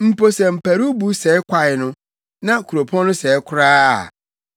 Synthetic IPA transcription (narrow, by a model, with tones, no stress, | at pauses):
m̩˨po˨sɛ˨m̩˨pʰæ˨ɾu˦bu˦sɛ˨˦ɪ˦kʷʰa˦˨ɪ˨nʊ̃˦ | nã˦kʰu˨ɾo˨pʰɔ̃˦nʊ̃˦sɛ˨˦kʷʰʊ˦ɾaː˦˨